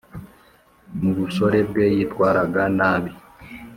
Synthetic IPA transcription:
muɡusɔɾɛbɛjitwaːɾaɡanaːmi

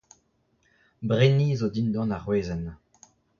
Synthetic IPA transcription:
bʁeniːzod̪ind̪ɑ̃naʁweːzɛn

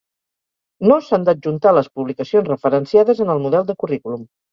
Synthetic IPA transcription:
nosand̪əʒunt̪aləspuβlikəsionzrəfəɾənsiaðəzənəlˠmuðɛlˠd̪əkurikulum

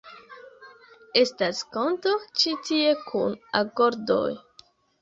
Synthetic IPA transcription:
e̞stasko̞nto̞t͡ʃitie̞kʰunako̞ɾdo̞̰j

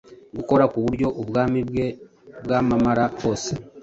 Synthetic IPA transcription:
ɡuko̞ɾakuβuɾɟo̞ʔuβɡaːmiɡe | bɡaːmamaɾaho̞ːse

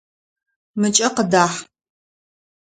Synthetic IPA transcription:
mɨt͡ʃʼɐqədaːħ

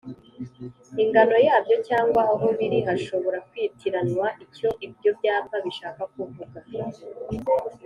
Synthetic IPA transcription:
iŋɡano̞jaːbɟo̞caːŋɡwaːɦo̞βiɾiɦaʃo̞βo̞ɾakwiːtʰiɾanŋwaʔio̞ʔib̚ɟo̞bɟaːpaβiʃaːkakuvuɡa

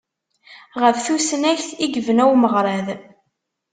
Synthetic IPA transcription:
ʁəfθusnæçθiɡəvənæwməʁɾˤæð

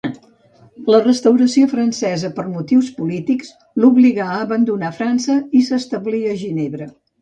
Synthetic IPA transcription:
lərəst̪əwɾəsiofɾənsɛzəpərmut̪iwspulit̪iks | luβliɣaəːβənd̪unafɾansəisəst̪əβliəʒineβɾə

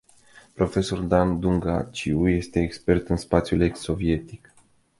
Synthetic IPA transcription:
pɾo̞fe̞so̞rd̪and̪uŋɡa̰t͡ʃiuje̞st̪e̞ːkspe̞rt̪ɨnspat̪sʲjulekso̞vie̞t̪ik

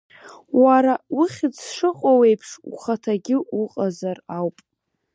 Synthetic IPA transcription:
waɾawʊχʲɪt͡sʰʂɨqʼowe̞jpʰʂṵχatʰaɡʲɪuqʼazarawpʼ

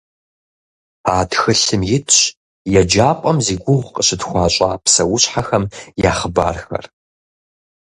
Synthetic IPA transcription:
aːtxɨɬɨmjɪtʰɕ | jɛd͡ʒaːpʷʼɐmziːɡʷʊʁʷqʼəɕɨtxʷɑːɕʼaːpsɐwʊɕħaxɐmjaːχəba̰ːrxɐ̰r

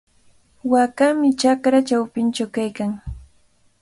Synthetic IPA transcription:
wakamɪt͡ʃakɾat͡ʃawpɪnt͡ʃawkajkaŋ

